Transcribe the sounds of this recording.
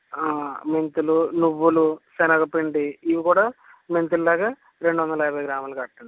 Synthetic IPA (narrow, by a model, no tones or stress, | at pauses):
aːment̪ulunuʋːulusenɐkɐpːiɳɖiiʋikuːɽɐ | ment̪ululaːkɐ | ɾe̞ɳɖuʋonːɐlɐjɐbʱɐːɡɾaːmɐlkɐʈːuɳɖi